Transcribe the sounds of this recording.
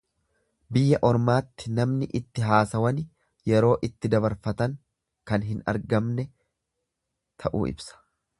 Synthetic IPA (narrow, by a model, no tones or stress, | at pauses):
bɪjːɐʔɔɾmaːt̪ːɪnɐmnɪʔɪt̪ːɪɦaːsɐwɐn | jɛɾo̞ːʔɪt̪ːɪd̪ɐβɐɾfɐt̪ɐŋ | kɐnɦɪnɐ̰ɾɡɐmnɛ | t̪ʰɐʔṵːɪ̰bsɐ̥